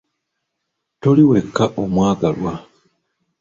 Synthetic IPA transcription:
to̞liwekːaʔomwaːɡalwa

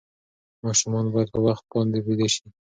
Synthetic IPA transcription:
mɑʃumɑnbɑjad̪̚pawaxt̪̚bɑnd̪ebed̪aʃi

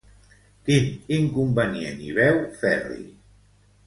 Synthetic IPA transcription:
kiniŋkumbanieniβɛwfɛrḭ

